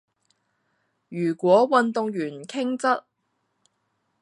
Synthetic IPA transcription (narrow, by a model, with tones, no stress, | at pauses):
jyː˨˩kʷɔː˨˥wɐ˨nt̪ʊ˧ŋjyː˨˩nkʰɪ˥ŋt͡sɐ˥t̚